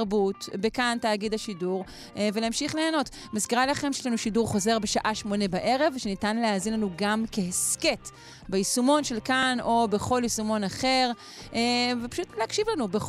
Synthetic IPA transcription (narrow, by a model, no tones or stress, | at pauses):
ʁbutbekantaːɡidhaʃiduʁ | veleamʃiχleːno̞t | maskeʁalaχemʃeʃlanuʃiduʁχo̞ze̞ʁbeʃaʔaʃmo̞nebaʔe̞ʁe̞vʃenitanleaːzinlanuɡamkeeske̞t | beisumo̞nʃe̞lkano̞be̞χo̞lisumo̞naχe̞ʁ | vepḁʃutleakʃivlanube